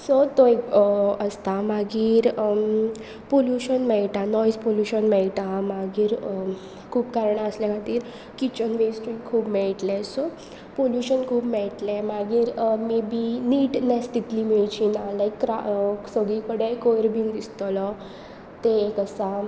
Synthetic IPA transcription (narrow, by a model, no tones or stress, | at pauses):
sɔt̪oekəst̪amaɡiːɾ | poljuɕənmɛɭʈanɔjspoljuɕənmɛɭʈamaɡiːɾ | kʰuːbkaɾəɳaslɛ̃kãt̪iːɾ | kit͡ɕənʋesʈɾikʰuːbmɛɭʈlɛsɔ | poljuɕənkʰuːbmɛɭʈlɛmaɡiːɾmebiniːʈnɛst̪it̪limeɭt͡ɕʰinaləjkːɾa̰səɡikəɽekojɾbʱind̪ist̪ɔlɔ | t̪eːkəsa